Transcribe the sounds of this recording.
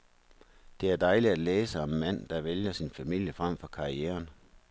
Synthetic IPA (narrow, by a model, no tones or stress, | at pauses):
d̥e̝æɐd̥ɑ̈ɪlidæ̥leːsɒ̽mːæn̰d̥ɑ̈ʋeljɐsinfæmil̰jəfʁam̰fɒ̽kʰɑ̈ieːɐn